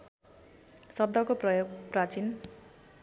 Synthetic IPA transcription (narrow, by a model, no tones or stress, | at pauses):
sʌb̚d̪ʱʌkoprʌjoɡprat͡sin